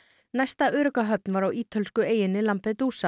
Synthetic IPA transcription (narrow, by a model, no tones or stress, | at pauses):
najst̪aʔʏːɾʏkaɦœp̚nvaɾawʔiːt̪ʰʏlskʏeːjɪnɪlampɪt̪uːsa